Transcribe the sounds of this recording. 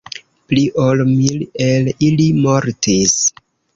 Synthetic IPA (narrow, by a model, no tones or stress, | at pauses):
pliʔolmilelilimoɾtis